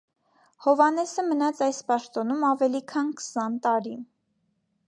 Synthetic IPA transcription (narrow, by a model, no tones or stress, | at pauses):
hɔvɑnɛsəmənɑt͡sʰɑjspɑʃt̪ɔnumɑvɛlikʰɑnkʰə̥sɑnt̪ɑɾi